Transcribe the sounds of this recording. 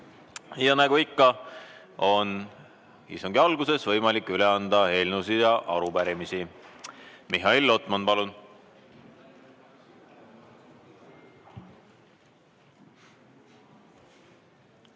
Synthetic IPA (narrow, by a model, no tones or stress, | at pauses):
jɑnæɡ̥uikːɑ | o̞n | ḭst̪uŋɡ̥iɑlɡuse̞svɤ̞jmɑlikːˑyle̞ɑnd̪̥ɑhe̞lnusiɑʔɑɾupæɾimisi | miɦɑilːo̞t̪ˑmɑnpɑlun